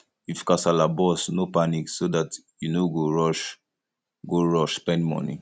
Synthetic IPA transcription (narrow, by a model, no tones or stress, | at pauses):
ifkasalabɔsnopaniksodat | junoɡoɹɔʃ | ɡoɹɔʃspɛ̃nmɔ̰̃nḭ̃